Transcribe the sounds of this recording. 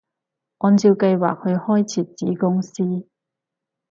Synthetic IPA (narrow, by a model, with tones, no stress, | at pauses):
ʔɔː˧nt͡siː˧wkɐ˧jwa̰ː˨k̚hɵ˧ɥhɔː˥jt͡sʰiː˨˩t̚t͡siː˨˥kʊ˥ŋsiː˥